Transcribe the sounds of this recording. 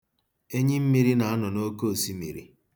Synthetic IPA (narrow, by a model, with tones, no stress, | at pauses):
e˦ɲi˦m̩˦mi˨ɾi˦na˨a˦nɔ˨no˦ko˦˨si˦mḭ˨ɾḭ˦